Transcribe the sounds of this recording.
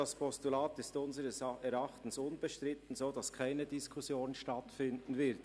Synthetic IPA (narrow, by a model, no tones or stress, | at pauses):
aspʰɔstulaːtɪstʊnzəɾəsɛɾɑχtn̩sʊnbəʃtʁɪtn̩zoːdɑskʰaɪnədiskʰusjoːnʃtatfɪndn̩vɪt